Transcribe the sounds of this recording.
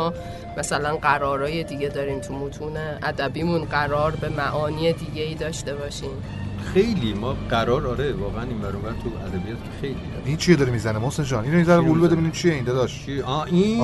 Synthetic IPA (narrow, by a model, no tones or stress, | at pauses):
ɒː | mæsælænɢæɾɒːɾɒːjed̪iːɟed̪ɒːɾiːmt̪ʰumot̪ʰuːneʔæd̪æbiːmunɢæɾɒːɾbe̞mæʔɒːniːed̪iːɟeiːd̪ɒːʃt̪e̞βɒːʃiːm | xe̞jliːmɒːɢæɾɒːɾɒɾevɒːɣeæninmæɾuvænt̪ʰuæd̪æbijɒːt̪cʰexejlḭeʔint͡ʃʰied̪ɒːɾemiːzænemosend͡ʒɒːninɾomizæɾeulubed̪emidimt͡ʃʰijeind̪ɒd̪ɒʃt͡ʃʰiʔɒʔi